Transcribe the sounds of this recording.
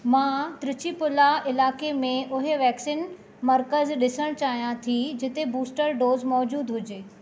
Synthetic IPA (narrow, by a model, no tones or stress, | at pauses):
mãːt̪ɾɪt͡ɕipʊlaɪlaːkemẽʔʊɦeʋɛːksiːn | mɐɾkəzɗɪsəɽ̃t͡ɕaːɦijãt̪ʰid͡ʑɪt̪ebuːsʈəɾɖoːzmɔːd͡ʑuːd̪ɦʊd͡ʑeː